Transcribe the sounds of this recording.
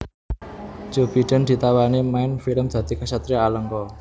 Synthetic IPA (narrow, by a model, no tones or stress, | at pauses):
d͡ʒ̥o̤b̥i̤ɖ̥ə̤nd̪̥i̤t̪awanimaɪnfiləmd̪̥ä̤d̪t̪i̤kasat̪ɾiaːləŋkɔ